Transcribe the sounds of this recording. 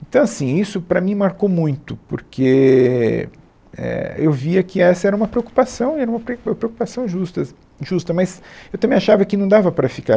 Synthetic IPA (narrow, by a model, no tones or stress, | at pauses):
ẽt̪ɐ̃w̃asĩisʊpɾɐmĩmaɾkowmũj̃t̪ʊpoɾkʰe | ɛ̰ewviɐkɪɛsɐɛɾɐũmɐpɾeoku̥pasɐ̃w̃ɛɾɐũmɐpɾmɐpɾeokupasɐ̃w̃ʒust̪ɐ | ʒust̪ɐmɐsewt̪ɐ̃mẽj̃aʃavɐkɪnɐ̃w̃d̪avɐpɾɐfika